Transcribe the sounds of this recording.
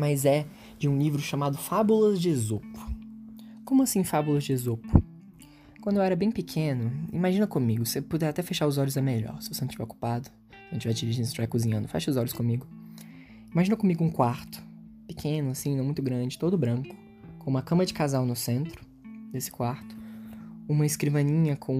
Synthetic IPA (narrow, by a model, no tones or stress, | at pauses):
mɐzɛ | d͡ʒɪũlivɾʊʃamad̪ʊfabulɐzd͡ʒɪezopʊ̥ | kõmʊasĩfabulɐzd͡ʒɪezopʊ | kwɐ̃d̪ʊewɛɾɐbẽj̃pikʰẽnʊḭ̃maʒĩnɐkõmiɡʊsepod̪ɛɾat̪ɛfeʃaɾʊzɔʎʊzɛmeʎɔ̰ɾsɪ̥vosenɐ̃t͡ʃivɛoku̥pad̪ʊ | ẽt͡ʃɪvɛd͡ʒiɾiʒẽst͡ʃvajkuzĩɲɐ̃d̪ʊfɛ̰ʃɐʊzɔʎʊskõmiɡʊ | imaʒĩnɐkõmiɡʊũkwaɾt̪ʊ̥ | pɪkʰẽnʊasĩnɐ̃w̃mũj̃t̪ʊɡɾɐ̃d͡ʒɪt̪od̪ʊbɾɐ̃kʊ̥ | kõũmɐkɐ̃mɐd͡ʒɪkazawnʊsẽnt̪ɾʊ̥ | d̪esɪ̥kwaɾt̪ʊ̥ũmɐɪskɾivɐ̃ɲĩɲɐkʰõ